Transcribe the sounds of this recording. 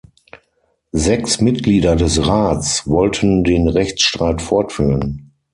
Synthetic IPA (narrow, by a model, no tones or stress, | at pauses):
zɛksmɪt̚ɡ̥liːdɐdɛsʁaːt͡svɔltʰəndeːnʁɛçt͡sʃtʁ̥aɪtfɔɐtfyːʁən